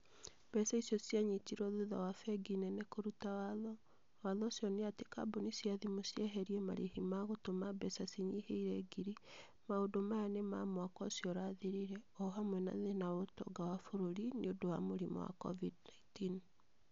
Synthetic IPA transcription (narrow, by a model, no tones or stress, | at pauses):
b̥ɛsaisjɔsjaɲitiɾɔðuða̰wafɛɡinɛnekoɾutawaðɔ | waðɔsjɔneateka̰bonisjaðimosjɛɦɛɾiɛma̰ɾehimaɣotomabɛsasiɲiheiɾɛɡiɾi | maodomajanema̰mwakɔsjɔɾaːðiɾiɾɛɔɦamwɛna̰ðenaotɔ̰ɡawafoɾoɾineodowa̰moɾimɔ̰wa̰kɔ̰vidnaintin